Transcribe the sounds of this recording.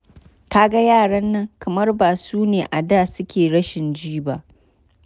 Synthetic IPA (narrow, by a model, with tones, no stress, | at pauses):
ta˦ɡa˦jaː˦˨ɽɐ˦nːɐ˦ŋkɐ˨mɐ˦rbaː˨suː˦neː˨ʔa˨daː˦˨sʊ˦kʲeː˨ɽɐ˦ʃɪ˨nd͡ʒiː˦ba˦ʔ